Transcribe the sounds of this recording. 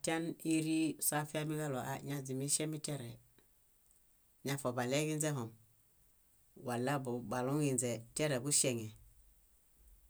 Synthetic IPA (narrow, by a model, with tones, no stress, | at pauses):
a˨ta˦ni˦ɾi˦sa˦fi˦a˦mi˦ɡa˦lo˨ʔa̰˨ɲa˨zi˨mi˦ʃe˦mi˦te˦ɾɛ˨ | ɲa˨fo˨ba˨le˦ɡi˦nze˦ɦɔ˨m | wa˨la˦bu˨ba˨lu˦ŋi˨nze˨te˦ɾe˨bu˦ʃe˨ŋe˨